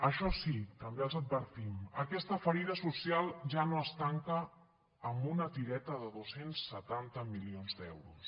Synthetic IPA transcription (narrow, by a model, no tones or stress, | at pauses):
əʃɔsit̪əmbeəlˠzəd̪̚βəɾt̪iməkɛst̪əfəɾiðəsusialˠʒanoəst̪aŋkəː | mbunət̪iɾɛt̪əðəðosensːət̪ant̪əmilionzd̪ɛ̰wɾus